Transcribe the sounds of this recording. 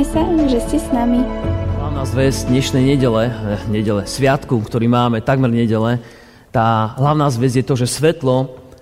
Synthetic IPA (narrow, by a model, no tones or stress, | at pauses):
ɛsaʒɛscɛsnamiɦlaʊnaːzʋɛzd̪ɲɛʃnɛjɲɛɟɛlɛɲɛɟɛlɛsʋɪat̪kukt̪ɔɾiːmaːmɛt̪aɡmɛɾɲɛɟɛlɛ | t̪aːɦlaʊnaːzʋɛzjɛt̪ɔʒɛsʋɛt̪lɔ